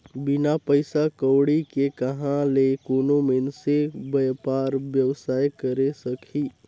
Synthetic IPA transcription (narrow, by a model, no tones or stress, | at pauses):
bɪnapəɪsakəːɽikekəɦãlekoːnomɪnsebəjpaːɾbjəʋsaːjkəɾesəkʰiː